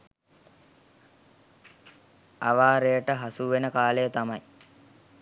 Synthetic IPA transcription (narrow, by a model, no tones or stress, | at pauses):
a̰ʋaːɾejəʈəɦasuʋenəkaːlejət̪amɐj